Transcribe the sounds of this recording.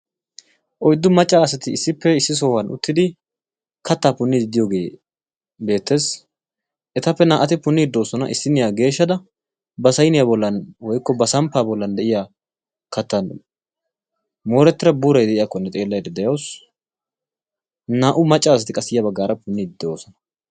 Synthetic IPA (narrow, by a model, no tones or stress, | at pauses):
ʔɔjd̪ːʊmɐt͡ʃʼːaːɐsɐt̪ɪɪsːɪpːɛɪsːɪs̬o̞ːwɐnʊ̰t̪ːɪd̪ɪ | kʰɐt̪ːaːpʊnːɪd̪ɪd̪ɪjoːɡe̞ː | be̞ːt̪ːe̞ːs | ʔɛt̪ɐpːɛnaːʔɐt̪ɪpʊnːɪɪd̪ːo̞ːsɔnɐ̰ʔɪsːɪnːɪjaɡe̞ːʃːɐd̪ɐ | bɐsɐjnɪjaːbɔlːɐnwɔjkːɔbɐsɐmpːaːbɔlːɐnd̪ɛʔɪjaː | kɐt̪ːɐn | moːɾɛt̪ːɪɾɐbuːɾɐjd̪ɛʔɪjakːɔnːɛt̪ʼe̞ːlːɐjd̪ɛd̪ɛjɐws | naːʔʊmɐt͡ʃʼːaːsɐt̪ɪkʼɐsːɪjɐbɐɡːaːɾɐpʊnːɪd̪ɪd̪ːoːsɔnɐ̥